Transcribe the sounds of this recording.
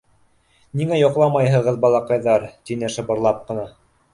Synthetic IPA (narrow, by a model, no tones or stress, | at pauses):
niŋæjŏqlˠɑmɑjɦɤ̆ʁɤðbɑlˠɑqɑjðɑɾt̪inɘʃɤ̆bɤ̆ɾlˠɑp̚qɤ̆nɑ